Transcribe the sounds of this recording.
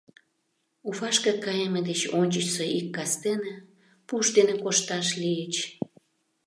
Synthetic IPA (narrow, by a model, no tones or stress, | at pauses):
ufɑʃkə̆kɑjemed̪et͡ɕonʲt͡ɕət͡ɕsoʔikːɑst̪ene | puʃd̪enekoʃt̪ɑʃlijət͡ɕ